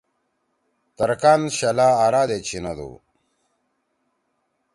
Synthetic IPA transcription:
t̪ɐɾkaːnɕɐlaːɾaːd̪et͡ɕʰinɐd̪ṵ

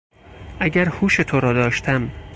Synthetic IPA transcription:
ʔæɟæɾhuːʃet̪ʰoɾɒːd̪ɒːʃt̪ʰæm

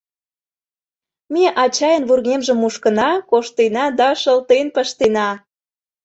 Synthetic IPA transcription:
meʔɑt͡ɕɑjə̆nβurɣemʒə̆mːuʃkə̆nɑkoʃt̪enɑd̪ɑʃəlt̪enpəʃt̪enɑ

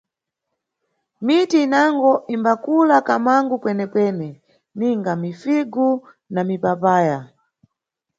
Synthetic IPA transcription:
mitiːnaŋɡɔʔimbakulakamaŋɡukwɛnɛpwɛnɛ | niŋɡamifiɡu | namipapaːja

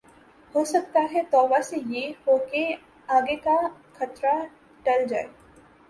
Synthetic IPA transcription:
hoːsɐkt̪aɦɛt̪ɔːʋasejehoːke | aːɡeka | kʰɐt̪ɾa | ɖɐld͡ʒaːe

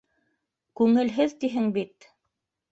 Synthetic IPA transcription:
kʉŋɘ̆lɦɘðt̪iɦɘŋbit̪

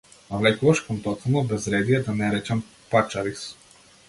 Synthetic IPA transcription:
avlɛkuvaʃkɔmt̪ɔt̪snɔbɛzɾɛd̪ijɛd̪anɛɾɛt͡ʃɛm | pat͡ʃaɾis

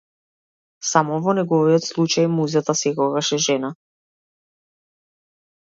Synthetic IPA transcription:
samɔvɔnɛɡɔviɔt̪slˠut͡ʃajmuzat̪asɛkɔɡaʃɛʒɛna

